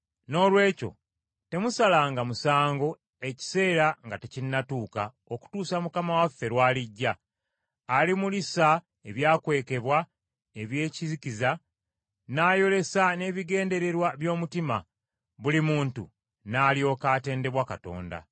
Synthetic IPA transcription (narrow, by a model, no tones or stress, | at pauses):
no̞ːlwe̞ːco̞̰ | te̞musalaŋɡamusaːŋɡo̞ | e̞ci̥se̞ːɾaŋɡatecinːatuːka | oku̥tuːsamukamawafːe̞ɾwaːliɟːaː | limulisa | e̞βjaːkwe̞ːke̞βwa | e̞βje̞ːciziciza | naːjo̞le̞sane̞βiɡe̞ːnde̞ɾe̞ɾwaβjo̞ːmutima̰ | βulimuːntṵ | naːljo̞ːkaːte̞ːnde̞βwakato̞̰ːnda̰